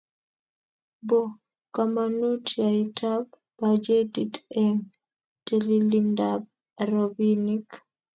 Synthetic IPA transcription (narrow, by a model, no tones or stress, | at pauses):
bɔ | kamanutʰiajtʰab | bad͡ʒetitɛŋ | tɛlilindab̚ | aɾobinik